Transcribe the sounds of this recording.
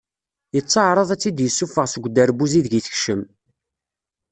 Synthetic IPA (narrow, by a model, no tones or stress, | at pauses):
jət͡sˤːɑʕɾˤəðˤæt͡sːid̪jəsːufəʁsəɡʷːd̪əɾbuziðʝiθə̥çʃəm